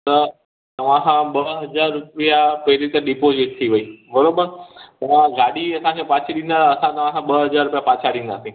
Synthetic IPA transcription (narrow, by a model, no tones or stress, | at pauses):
t̪ɐ | t̪ɐʋ̤ãsãɓəɦɐzaːɾːʊpijapɐɦɪɾit̪əɗipozɪʈ̚t̪ʰiʋɐiːbɐɾoːbəɾt̪ɐʋ̤ãɡaːɽiɐsãkẽpaːt͡ʃʰiɗĩnd̪aɾɐsãt̪ɐʋ̤ãkãɓɐɦɐzaːɾʊpijapaːt͡ʃʰaɗĩːn̆d̪a̰ːsĩ